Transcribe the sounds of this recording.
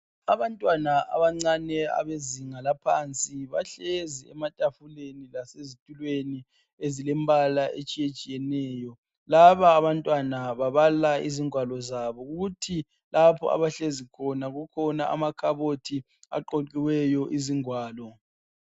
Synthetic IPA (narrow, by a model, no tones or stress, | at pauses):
aβantʼwanaʔa̰βaŋ͡ǀanɛa̰βeziŋalapʰa̰nt͡sʼiβaɬeziɛ̰matʼafulenilasezitʼulweni | ezilɛmbʱalaʔet͡ʃʼijet͡ʃʼijɛnɛːjɔ | laβaːβantʼwanaβaβalaiziŋwalɔzaβɔɣuɣutʰi | lapʰɔ̰a̰βaɬezikʰɔnaɣukʰɔnaʔa̰makʰaβotʰi | a̰ǃoǃiwɛjɔʔiziŋwaːlɔ